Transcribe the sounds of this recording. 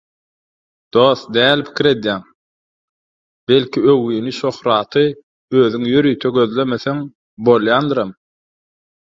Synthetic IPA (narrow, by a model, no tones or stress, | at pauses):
d̪̥oːθd̪æːlpʰi̥kʰʲiɾe̞d̪jæːŋ | be̞lʲkʰiøwyːniʃo̞χɾɑːt̪ʰɯ | øːðyŋjøɾiːt̪ʰeɡø̞ðlʲemeθeŋ | bo̞lˠjɑːnd̪ɯɾɑm